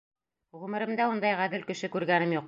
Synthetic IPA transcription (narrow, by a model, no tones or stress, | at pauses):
ʁʉmɘ̆ɾɘ̆md̪æund̪ɑjʁæðɘlkɘ̆ʃɘkʉɾɡænɘmjuq